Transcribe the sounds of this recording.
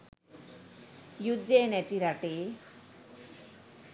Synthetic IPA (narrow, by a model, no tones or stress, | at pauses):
jud̪jenɛt̪iɾaʈe